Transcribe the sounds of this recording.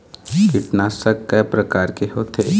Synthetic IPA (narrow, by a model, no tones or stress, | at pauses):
kɪʈnaːsəkːɐːpɾɐkaːɾkeɦot̪ʰeː